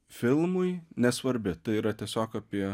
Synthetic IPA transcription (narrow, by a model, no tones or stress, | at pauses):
fʲɪlˠmʊɪnʲɛsʋɐɾʲbʲɪt̪ɐɪiːɾɐt̪ʲiɛsʲoːkɐpʲiɛ